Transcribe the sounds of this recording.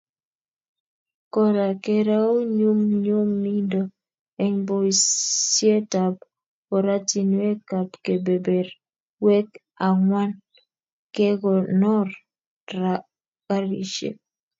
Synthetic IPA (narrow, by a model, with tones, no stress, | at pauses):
kɔ˦ɾa˨ke˦ɾa˦u˦ɲu˦mɲu˦mːi˦ndɔ˦ | ɛ˨ŋbo˦i˨sje˦ta˨b | ɔ˨ɾa˦ti˨nwe˦ka˨pke˨be˨be˨ɾ | wɛ˦k | a˨ŋwa˦n | kɛ˦ɡɔ˨nɔ˦r | ɾa | ka˦ɾḭ˨ʃḛ˨˦